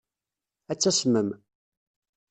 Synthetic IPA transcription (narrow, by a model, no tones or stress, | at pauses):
æt͡sːæsməm